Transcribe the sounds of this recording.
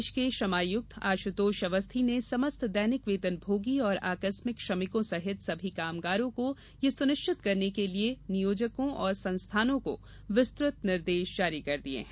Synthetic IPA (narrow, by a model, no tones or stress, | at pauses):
ʃkeʃɐmaːjʊk̚t̪ʰa̰ːʃʊt̪oːʃɐʋəst̪ʰinesɐməst̪ʰd̪ɛːnɪkʋeːt̪ənbʱoːɡiɔːɾa̰ːkəsmɪkʃɐmɪkõsɐɦɪt̪sɐbʱikaːmɡaːɾõko | jesʊnɪʃt͡ʃɪt̪kɐɾnekelienɪjoːd͡ʒəkõʔɔːɾsɐ̃nst̪ʰaːnõko̰ | ʋɪst̪ɾʊt̪nɪɾd̪eːʃd͡ʒaːɾikɐɾd̪iḛɦɛ̃